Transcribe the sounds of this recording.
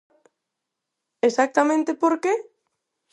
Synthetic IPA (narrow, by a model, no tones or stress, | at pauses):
esak̚t̪amẽnt̪epoɾke